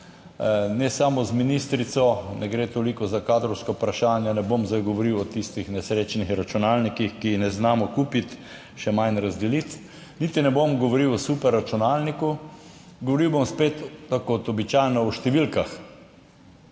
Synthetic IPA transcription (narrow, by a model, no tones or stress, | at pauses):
nɛsamɔzminist̪ɾit̪sɔnʔɛɡɾeːt̪oːlikɔzakaːd̪ɾɔwskɔpɾaʃaːnjanɛbomzajɡɔʋɔɾiwɔt̪ist̪ixnɛsɾeːt͡ʃnixɾat͡ʃunaːlnikixkinɛznaːmɔkuːpit̪ | ʃɛmanɾazd̪ɛlit̪ | nit̪inɛbomɡɔʋɔɾiwɔsupɛɾːat͡ʃunaːlniku | ɡɔʋɔɾiwbomspeːt̪t̪akot̪ɔbit͡ʃajnɔɔʃt̪ɛʋilkax